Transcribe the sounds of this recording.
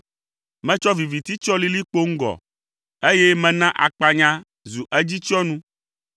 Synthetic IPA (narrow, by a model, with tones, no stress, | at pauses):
mɛ̃˦t͡ʃɔ˦vi˨vi˨t̪i˦t͡ʃɔ˦li˦li˦k͡po˦ŋ̩˦ɡɔ̰˨ | e˦jɛ˦mɛ̃˦nã˦ʔa̰˨k͡pa˨ɲã˦ | zu˨ʔɛ˦d͡ʑi˦t͡ʃɔ˦nũ˦